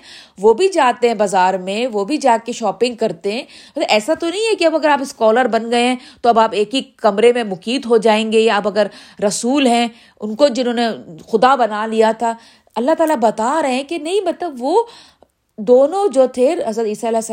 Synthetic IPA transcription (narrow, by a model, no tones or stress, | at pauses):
ʋoːbʱid͡ʒaːt̪eɦɛ̃bɐzaːɾmẽʋobʱid͡ʒaːkeʃɔːpɪ̃ŋɡ̚kɐɾt̪eɦɛ̃ːɐʔɛːsat̪onɐɦĩɛkeɐbɐɡəɾaːpɪskɔːləɾbɐnɡɐeɦɛ̃t̪oɐbaːpeːkikɐmɾemẽmʊkiːt̪ɦod͡ʒaːẽːŋɡejaɐbɐɡəɾːɐsuːlɦɛ̃ | ʊnkod͡ʒɪnõːnexʊd̪abɐnalijat̪ʰaː | ɐlːaɦt̪aːlabɐt̪aɾɐɦɛ̃kenɐĩmɐt̪ləbʋo | d̪oːnõd͡ʒoːt̪ʰeɾɦɐzɾət̪iːsaɪlɛːs